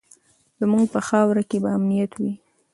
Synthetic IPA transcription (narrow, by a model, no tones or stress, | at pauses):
d̪əmuɡpəxɑwɾakebaːmnijat̪wi